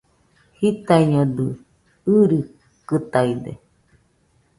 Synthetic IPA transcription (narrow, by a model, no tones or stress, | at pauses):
hit̪aiɲod̪ɯ | ɯɾɯ | kɨt̪aid̪ḛ